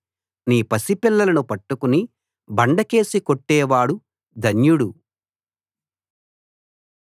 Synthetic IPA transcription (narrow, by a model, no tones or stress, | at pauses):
niːpɐsipilːɐlɐnupɐʈːukuni | bɐɳɖɐke̞ːsikoʈːɛːʋaːɽu | d̪ʱɐnjuɽu